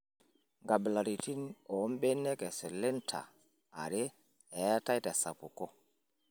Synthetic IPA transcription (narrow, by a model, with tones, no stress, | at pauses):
ŋɡa˨bla˨ɾi˨ti˦no˨˦mɓe˦ne˦ke˨se˨le˦ntʰa̰˨ | a̰˨ɾe˦ | e˨˦ja˦ta˦jta˨sa̰˨pu˨ko˦